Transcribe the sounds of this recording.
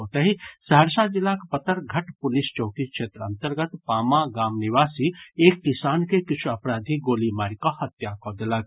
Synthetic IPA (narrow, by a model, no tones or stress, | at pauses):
ɦot̪əɦisəɦəɾsad͡ʒɪlːakpət̪əɾɡʱɐʈpʊlist͡ʃɔʊkikʃeːt̪ɾəɐ̰nt̪əɾɡət̪paːmaɡaːmniʋaːsieːkːisaːnkekɪt͡ʃʰuɐpɾaːd̪ʱiɡoːlimaːɾikɔhɐt̪jakɔd̪elak